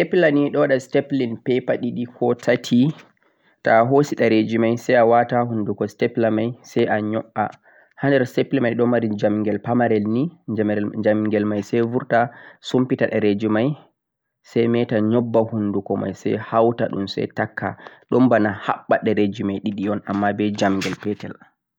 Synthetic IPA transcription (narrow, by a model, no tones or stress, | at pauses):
stɛplaniɗɔwaɗastɛplinpɛpaɗiɗikʰɔtʰatʰi | taɦosiɗaɾed͡ʒimajsɛjawatahundukɔstɛplamajsɛjʔaɲɔʔa | handɛɾstɛplɛmajɗɔmaɾid͡ʒamŋɡɛlpamaɾɛlni | d͡ʒamŋɡɛlmajsɛjvuɾtasumpitaɗaɾed͡ʒimaj | sɛjmɛtaɲɔbːahundukɔma̰jsɛ̰jhawta̰ɗumsɛ̰jtakʰːa̰ɗɔmbanaha̰ɓːaɗɛɾed͡ʒimajɗiɗiɔnamːabɛd͡ʒamŋɡɛlpɛtɛ̰l